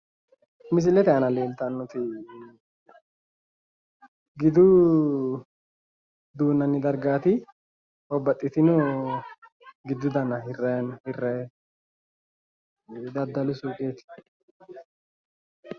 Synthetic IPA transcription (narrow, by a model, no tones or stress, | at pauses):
mɪs̬ɪlɛt̪ɛɐnɐleːlt̪ɐnːʊt̪ɪ | ɡɪd̪ʊ | d̪uːnːɐnːɪd̪ɐɾɡaːt̪ɪ | hɔbːɐt̪ʼːɪt̪ɪnʊ | ɡɪd̪ːʊd̪ɐnɐhɪrːɛnhɪrːɛ | d̪ɐd̪ːɐlʊsuːkʼeːt̪ɪ̥